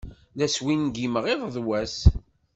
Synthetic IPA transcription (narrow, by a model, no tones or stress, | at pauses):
læswinɡiməʁeðˤðˤwæs